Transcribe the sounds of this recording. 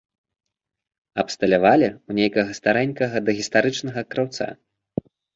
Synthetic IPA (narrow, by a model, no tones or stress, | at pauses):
ɐpst̪ɐlʲavalʲɛunʲejkɐɣɐst̪aɾɛnʲkɐɣɐd̪ɐɣʲist̪aɾɨt͡ʂnɐɣɐkɾawt̪sa̰